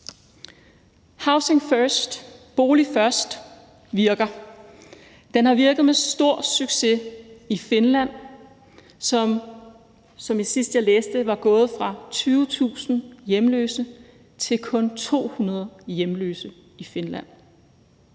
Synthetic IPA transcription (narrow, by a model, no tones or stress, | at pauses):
hɑ̈ʊseŋfɶsd̥b̥o̝ːlifɶɐsd̥ | ʋiɐɡ̥ɐ | d̥enhɑ̈ʋiɐɡ̥ð̞̩ˠmesd̥o̝ɐ̰syɡ̥se̝ife̝nlæn̰ | sɒ̽m | sɒ̽mjasisd̥jɑ̈leːsd̥əʋɑ̈ɡ̥ɔ̽ːð̞̩ˠfʁɑ̈t͡sʰyːʊt͡sʰṵːsn̩jemlø̰ːsə | t͡sʰe̝lkʰɔ̽nt͡sʰo̝̰ːhunɐð̞ˠjemlø̰ːsə | ife̝nlæ̰n̰